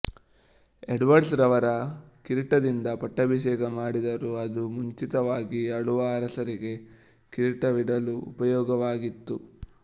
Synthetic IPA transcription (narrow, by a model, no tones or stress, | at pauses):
eɖʋɐɖsɾɐʋɐɾɐkiɾiʈɐd̪ind̪ɐpɐʈːɐbiʃ̬ɛːɡɐmaːɽid̪ɐɾuɐd̪umuɲt͡ʃit̪ɐʋaːɡiɐɭuʋɐːɾɐsɐɾiɡe̞ | kiɾiʈɐʋiɽɐluṵpɐjɔːɡɐʋaːɡit̪ːu